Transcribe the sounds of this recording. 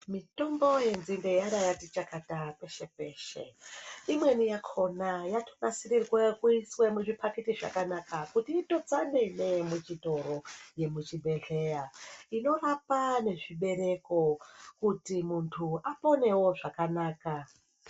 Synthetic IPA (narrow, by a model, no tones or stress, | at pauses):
mito̞mbo̞je̞nzinde̞jaɾajatit͡ʃakatape̞ʃe̞pe̞ːʃe̞̰imwe̞nijakʰo̞najatʰo̥nasirirwekuiswe̞muʐipʰaketiʐa̰kanakakutiːto̞d͡zane̞ne̞mut͡ʃito̞ɾo̞je̞mut͡ʃibʱe̞ɮe̞jaino̞rapane̞ʐiɓe̞ɾe̞ko̞kutimuntʰuapo̞ne̞wo̞ʐakanaːka